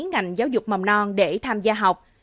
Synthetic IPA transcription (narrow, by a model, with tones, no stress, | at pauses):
ənŋa˨˩jŋ̟zaː˨˦wzʊ˨˩k͡p̚mə˨˩wnɔ˧nɗe˧˩t̪ʰaː˧mzaː˧ɦa˨˩wk͡p̚